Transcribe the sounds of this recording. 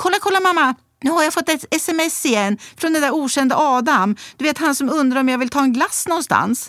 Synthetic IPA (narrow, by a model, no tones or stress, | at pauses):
kʰɔlːakʰɔlːamamːa | nʉ̟ːhaɾjafɔt̪ːɛɛsɛmɛseɛnfɾɔnd̪ɛnd̪æɾuːɕɛnd̪əʔɑːd̪amd̪̥ɵveːt̪hansɔmɵnd̪ɾaɾɔmjavɪlt̪ʰɑːɛnɡlasːnɔnst̪a̰ns